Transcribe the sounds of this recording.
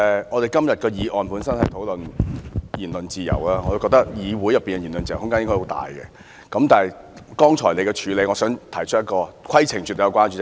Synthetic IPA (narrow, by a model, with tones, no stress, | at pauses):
ŋɔ˨˧t̪e˨jkɐ˥mjɐ˨t̚kɔː˧jiː˨˧ʔɔː˨npuː˨˥nsɐ˥nhɐ˨jt̪ʰo˨˥wlɵ˨n | jiː˨˩nlɵ˨nt͡siː˨jɐ̰˨˩wlaː˦˥ŋɔ˨˧to˧wkɔ˧k̚t̪ɐ˥k̚jiː˨˧wuː˨˥jɐ˨pːiː˨nɡɛ˧ji˨˩nlɵ˨nt͡ɕiː˨jhʊ˥ŋkaː˥jɪ˥ŋkɔ˥˩ho˨˥t̪a̰ː˨˩jkɛ̰˧ | kɐ˨˧˥mt̪aː˨˩ɐ˨j | kɔː˥ŋt͡ʃʰɔ̰ː˨˩jle˨˧jkɛ˧t͡ʃʰyː˨˧le˨˧jŋɔ˨˧sœː˨˥ŋt̪ʰɐ˨˩jt͡ʃʰtjɐ˥kɔː˧kʰwɐ˥jt͡sʰɪ˨˩ŋt͡ʃy˨t̪ːjɐ˧wkʷwaː˥nt͡ʃy˧ɛ˥